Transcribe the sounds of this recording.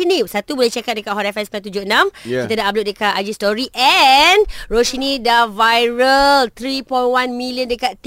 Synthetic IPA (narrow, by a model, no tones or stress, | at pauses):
inisat̪ubolɛht͡ʃekat̪̚dəkaʔ̚ɦɔɾɛfɛnspat̪̬ud͡ʒoənãmkit̪adaʔablʊʔ̚dəkaad͡ʒistɔɾiʔɛnroʃinidavajɹəlt̪ɾipɔjnwanmiliəndəkaʔt̪